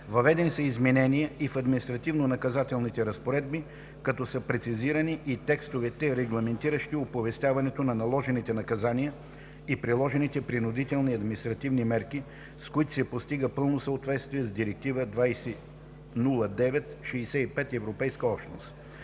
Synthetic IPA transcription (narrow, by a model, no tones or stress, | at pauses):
vɐvɛd̪ɛnisəizmɛnɛnijəifɐd̪minist̪ɾɐt̪ivnonɐkɐzat̪ɛlˠnit̪ɛɾɐspoɾɛd̪̚bi | kɐt̪ɔsəpɾɛt̪siziɾɐniʔit̪ɛkst̪ovɛt̪ɛɾɛɡlˠɐmɛnt̪iɾəʃt̪iopovɛst̪ʲavɐnɛt̪onɐnɐlˠɔʒɛnit̪ɛnɐkɐzanijə | ipɾilˠɔʒɛnit̪ɛpɾinʊd̪it̪ɛlˠniɐd̪minist̪ɾɐt̪ivnimɛɾki | skoit̪ʊ̥sɛpost̪iɡəpɤlˠnosəot̪vɛt̪st̪viɛzd̪iɾɛk̚t̪ivəd̪vajsɛ | nulˠəd̪ɛvɛt̪ʃiisɛipɛt̪ɛvɾopɛjskəɔpʃno̰st̪